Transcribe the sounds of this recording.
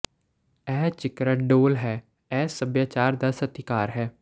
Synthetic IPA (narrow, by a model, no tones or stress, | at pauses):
ɛːt͡ʃɪkɾəɖoːlɦɛː | ɛːsəbjaːt͡ʃaːɾd̪asət̪ɪkaːɾɦɛː